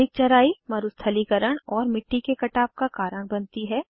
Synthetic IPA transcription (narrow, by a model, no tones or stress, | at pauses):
ɪk̚t͡ʃɐɾaːimɐɾʊst̪ʰəlikɐɾəɽ̃ɔːɾmɪʈːikekɐʈaːp̚kakaːɾəɽ̃bɐnt̪iɦɛː